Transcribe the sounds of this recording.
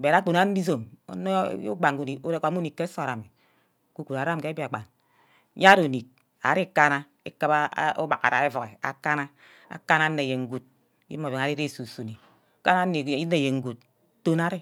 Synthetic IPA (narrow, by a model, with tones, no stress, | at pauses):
be˨ɾa˦k͡po˨na˦i˦zo˨mo̰˦no̰˦o̰˦ɡ͡ba˨ŋku˦ni˨o˦ɾe˨kʷa˨˦u˦ni˨kːe˦so˦˨ɾa˨me˨ | ku˦ku˨ɾa˨ɾa˦m˨ke˦bi˦a˨ɡ͡ba̰˨n˦ | ja˦ɾo˨ni˨k̚ | a̰˨ɾi˦ka˦na˦ | e˦ka˦ba˦o̰˦ba˨ka̰˨ɾa̰˨e˦vo˨ɣe˨a̰˨ka˦na˦ | a̰˨ka˦na˦nːe˨je˨ŋ̩˦ɡu˦t̚ | jḭ˦o˨be˨ŋa˨ɾi˦ɾe˦˨su˨su˨ni˨˦ | ka˦na˦ni˨i˦ne˨je˨ŋ̩˦ɡu˨t̚ | to˦na˦ɾe˦